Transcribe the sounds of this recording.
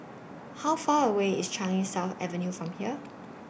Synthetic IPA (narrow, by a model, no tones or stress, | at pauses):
haʊfaːɹəweɪ̰stʰɹ̥ãɪɪ̃ŋsafɛ̰və̃njufɹɔ̃mhiə